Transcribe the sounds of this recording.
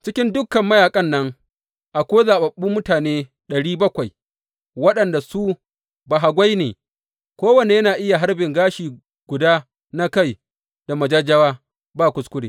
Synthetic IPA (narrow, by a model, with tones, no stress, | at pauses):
t͡ʃɪ˦kʲɪ˦ndʊ˦kːɐ˨mːɐ˦jaː˨kʼɐ˦nːɐ˦ŋ | ʔa˨kʷoː˦zaː˨ɓɐ˨ɓːuː˦mʊ˦taː˨neː˦ | ɗɐ˨ɽiː˦bɐ˦kʷa˨j | wɐ˦ɗɐ˨nda˨su˦ | ba˨ɦa˨ɡʷa˦jnḛː˨ | kʷoː˦wɐ˨ne˨jɐ˦naː˨ʔɪ˦ja˨ɦa˦ɾbɪ˨ŋɡaː˦ʃiː˨ | ɡʷʊ˨daː˦ | na˦ka˦˨j | d̥a˨mɐ˨d͡ʒɐ˦d͡ʒɐ˦waː˦ | baː˦˨kʷʊ˦skʷʊ˦ɽḛː˨